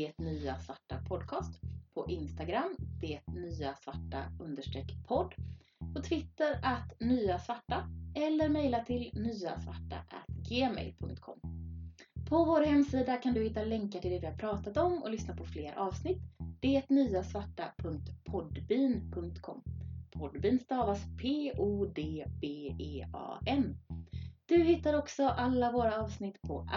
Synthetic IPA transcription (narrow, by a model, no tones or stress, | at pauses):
eːt̪nyːasvaʈːa̰pʰɔd̪kʰɑːst̪pʰɔʔɪnst̪aɡɾamːd̪̥eːt̪nyːasvaʈːa̰ɵnd̪əʂʈɾɛkpʰɔd̪ː | pʰɔt̪ʰvɪt̪ːəɾat̪nyːasvaʈːaɛlːəɾmɛjlat̪ʰɪlnyːa̰sva̰ʈːa̰ʔæ̰t̪ɡeːmɛ̰jlpʰɵ̰ŋkt̪kʰɔ̰mː | pʰɔvoːɾhɛmːsiːd̪akʰand̪ɵhɪt̪ːalɛŋkaʈ̪ɪld̪ɛːd̪ɪhaɾpʰɾɑːt̪at̪ɔmɔ̰lʏsnapʰɔfleːɾʔɑːvsnɪt̪ːd̪̥ɛɛt̪nyːasvaʈːapʰɵŋk̚t̪pʰɔd̪biːnpʰɵŋk̚t̪kʰɔ̰mːpʰɔd̪biːnst̪ɑːvaspʰeːʔuːd̪eːbeːeːɑ̰ːɛn | d̪̥ɵhɪt̪ːaɾɔksɔʔalːavoːɾaɑːvsnɪt̪ːpʰɔ